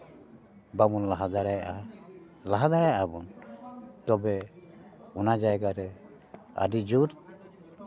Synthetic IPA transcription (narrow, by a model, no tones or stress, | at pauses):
bamunlaɦad̪aɾajʔa | laɦad̪aɾajaʔabɔn | t̪ɔbɛ | ɔnad͡ʒajɡaɾɛ | a̰ɖid͡ʒuɾ